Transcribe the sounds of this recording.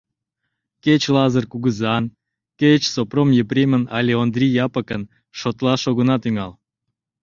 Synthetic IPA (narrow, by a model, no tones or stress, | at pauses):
ket͡ɕlɑzərkuɣəzɑn | ket͡ɕsopromjepɾʲemʲənɑlʲeond̪rʲijɑpəkən | ʃot̪lɑʃoɣənɑt̪yŋɑl